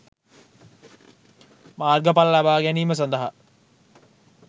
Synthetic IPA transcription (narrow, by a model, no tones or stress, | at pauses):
maːrɡəpalɐlabaːɡæniːməs̬ɐnd̪əɦa